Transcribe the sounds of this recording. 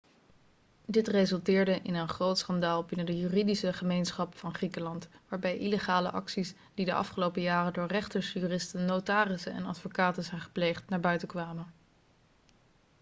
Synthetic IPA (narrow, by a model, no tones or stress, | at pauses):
dɪtrezɵlˠtɪːɹdəʔɪnənχrowtsχɑndaːlˠbɪnəndəjyːridisəχəmejnsχɑpfɑnχrikəlɑntʋaːɹbɛjʔiləχaːlə̰ʔɑksis | d̥idəʔɑ̰fχəlowpəjaːrəndʊːɹrɛχtəɹsjyːrɪstənːotaːrɪsənɛ̰nɑ̰tfokaːtənzɛjnχə̥plejχtnaːɹbœɥtəkʋaːmən